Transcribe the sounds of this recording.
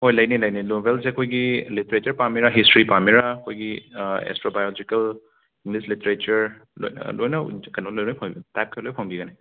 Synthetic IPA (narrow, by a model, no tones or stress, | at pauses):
hojlɐjnilɐjninobelseɐkʰojɡiliteɾet͡ʃɐɾpamiɾaɦistɾipamiɾakʰojɡiḛstɾobajolod͡ʒikɐl | iŋɡlisliteɾet͡ʃɐɾ | lo̰j̰lojnɐkɐnolojnojpʰaŋbitap̚kʰelojpʰaŋbiɡɐne